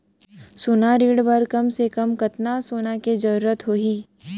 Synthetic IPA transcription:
soːnaɾiːɽbɐɾkɐmsekɐmkɐt̪nasoːnaked͡ʒɐɾuːɾət̪ɦoːɦiː

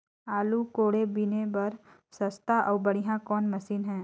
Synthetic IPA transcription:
aːlukoːɽebinebɐɾ | sɐst̪ʰaʔɔːɾbɐɽiɦãkɔːnmɐsiːnɦɛ̃ː

